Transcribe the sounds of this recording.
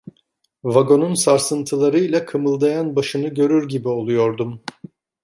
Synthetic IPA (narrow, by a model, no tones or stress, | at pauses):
vaɡo̞nunsaɾsɯnt̪ʰɯlˠaɾɯjlˠakʰɯmɯlˠd̪ajanbaʃɯnɯɟø̞ɾyɾɟibio̞lˠujo̞ɾd̪um